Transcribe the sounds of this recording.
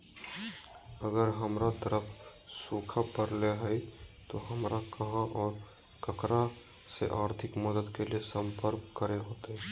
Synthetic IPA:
əɡəɾɦəmɾat̪əɾəpʰsuːkʰapəɾleɦɛit̪oɦəmɾakɐɦãʔɔːɾ | kəkɾa | sḛʔaːɾt̪ʰɪkməd̪əd̪keliesə̃mpəɾkkəɾeɦoːt̪eɦɛ

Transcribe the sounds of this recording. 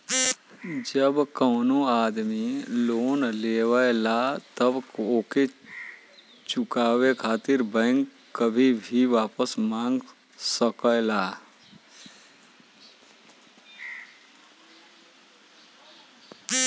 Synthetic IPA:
d͡ʒəbkəʊnoad̪miloːnlewəlat̪əboke | t͡ʃukaːwekʰaːt̪ɪɾbə̃ŋkː | əbʱibʱiʋaːpəsmãːŋɡ | səkəla

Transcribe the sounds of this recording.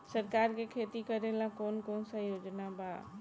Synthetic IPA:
səɾkaɾkekʰet̪ikəɾelakonkonsə̃jod͡ʒnaba

